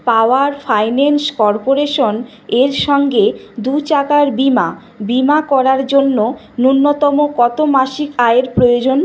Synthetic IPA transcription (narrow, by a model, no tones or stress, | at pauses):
paoaɾfʰajnenskɔɾpoɾeʃon | eɾʃɔŋɡed̪ut͡ɕakaɾbima | bimakɔɾaɾd͡ʑonːo | nunːot̪ɔmokɔt̪omaʃikaeɾpɾojod͡ʑon